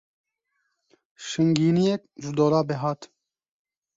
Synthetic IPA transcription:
ʃɨŋɡiːnijɛk̚ʒɪd̪oːɾɑːbɛɦɑːt̪

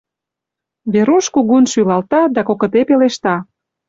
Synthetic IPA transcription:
βeɾuʃkuɣunʃylɑlt̪ɑd̪ɑkokə̆t̪epeleʃt̪ɑ

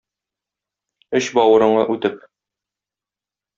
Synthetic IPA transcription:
ɵɕbɒwɤ̆ɾɤ̆ɴɑ̰ʔʉt̪ɘp

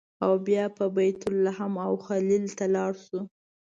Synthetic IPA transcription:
awbjɑpəbajt̪ʊlːaɦamawxalilt̪alɑɽʃu

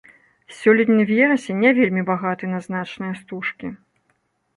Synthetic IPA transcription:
sʲɔlʲit̪nʲɨvʲɛɾɐsʲɛnʲavʲelʲmʲibaɣat̪ɨnɐznat͡ʂnɨjɐst̪uʂkʲi

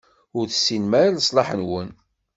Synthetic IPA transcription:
ʊɾθəsːinmæɾaləsˤlɑħənwən

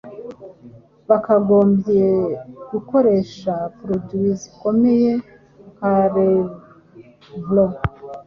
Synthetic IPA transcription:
βakaɡo̞ːmbjeɡuko̞ɾe̞ʃapɾodwizi̥ko̞me̞je̞ | kaɾe | vlo

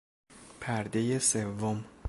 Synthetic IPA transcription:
pʰæɾd̪e̞jesevːom

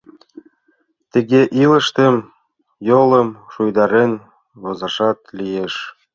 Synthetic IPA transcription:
t̪ə̆ɣeʔilə̆ʃt̪ə̆m | jolɤmʃujd̪ɑɾen | βozɑʃɑt̪̚lijeʃ

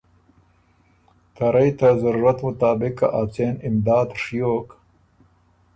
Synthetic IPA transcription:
t̪ʰɐɾajt̪azaɾuɾat̪mʊt̪aːbɪka̰ʔat͡senɪmd̪ɑːd̪ʂijoːk

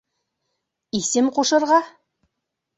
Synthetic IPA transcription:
isɘmqoʃɤ̆ɾʁɑ

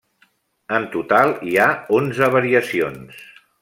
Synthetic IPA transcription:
ənt̪ut̪alˠiaonzəβəɾiəsions

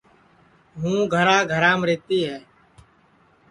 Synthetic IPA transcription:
ɦũːɡʱəɾaːɡʱəɾaːmɾeːt̪iːɦɛː

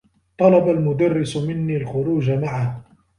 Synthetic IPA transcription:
t̪ˤɑlɑbalmʊd̪ɑrːɪsmɪnːiːlxʊɾuːd͡ʒamaʕah

